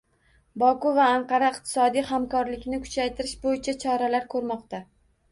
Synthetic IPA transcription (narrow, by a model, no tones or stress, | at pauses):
bɒkʊvaːɴqʰɑɾaɪq̚t̪ʰɪ̥sɒd̪ijhamkɒɾlɪkʲnɪkʰʊ̥t͡ʃʰajt̪ʰɪɾɪʃbojɪt͡ʃʰat͡ʃʰɒɾalaɾkʰɵɾmɒqt̪a